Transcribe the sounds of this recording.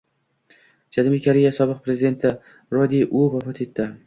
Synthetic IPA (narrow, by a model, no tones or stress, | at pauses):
d͡ʒalmikʲʰaɾijasɒbɨq̚pɾe̞zɪd̪e̞nt̪ʰɪ | ɾɒd̪iʔʊvafɒt̪ʰe̞t̪ʰːɪ